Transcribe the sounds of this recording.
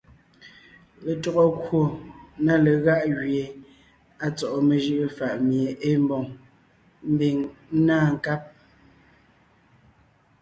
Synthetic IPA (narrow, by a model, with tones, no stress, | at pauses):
le˨tɔ˨ɣɔ˦kwo˨na˦le˨ɣa˦ʔɣɥe˨ | a˨t͡sɔ˨ʔɔ˨me˨ʒɯ˦ʔfa˨ʔmje˨ʔe˦m˦bɔ˨ŋ | m̩˦bi˨ŋ̩˦naː˦˨ŋ̩˨ka˦p̚